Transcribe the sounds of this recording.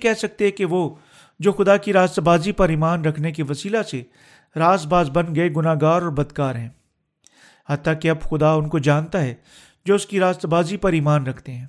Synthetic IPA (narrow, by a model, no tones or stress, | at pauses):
kɛɦsɐk̚t̪eɦɛkeʋo | d͡ʒoːxʊd̪akiɾaːst̪baːzipɐɾiːmaːnɾɐkʰnek̬iʋɐsiːlase | ɾaːst̪̚baːzbɐ̃nɡɐeɡʊnaːɡaːɾɔːɾbɐd̪kaːɾɦɛ̃ː | hɐt̪ːakeɐbxʊd̪aʊnkod͡ʒaːnt̪aɦɛ | d͡ʒoːʊskiɾaːst̪baːzipɐɾiːmaːnɾɐkʰt̪eɦɛ̃ː